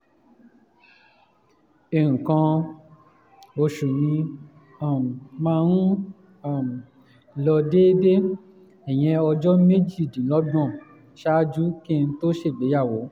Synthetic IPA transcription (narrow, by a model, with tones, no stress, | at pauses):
e˨ɾũ˨kã˧ | mo˧ʃu˨nĩ˧ | a˦˨m˨mãː˦˧ɾ̃ũ˦˨ | m˨ | lɔ˧de˦de˦ | ɛ˨j̃ɛ̃˧ɔ˧d͡ʒɔ˦me˦d͡ʒi˦˨dĩ˨˦lɔ˨˦b̃ɔ̃˦˨ | ʃa˦d͡ʒu˦ki˦˧ñ̩˧to˦ʃe˦˨be˨˦ja˦˨wo˨˦